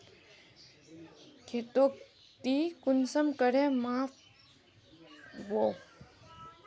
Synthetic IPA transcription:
kʰet̪ok | t̪ikunsəmkəɾemaf | ʋo

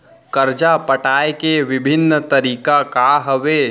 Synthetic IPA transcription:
kəɾd͡ʒapəʈaːekeʋɪbʱɪnːt̪əɾiːkakaɦəʋe

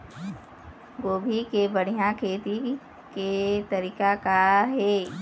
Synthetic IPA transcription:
ɡoːbʱikebəɽ̤ijãkʰeːt̪i | ket̪əɾiːkakaɦɛː

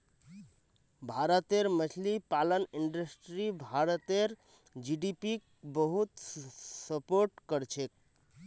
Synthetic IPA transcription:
bʱaɾət̪eɾmət͡ʃʰlipaləniɳɖəsʈɾibʱaɾət̪eɾ | d͡ʒiɖipik̚ | bəɦut̪səpoɾʈkəɾt͡ʃʰek̚

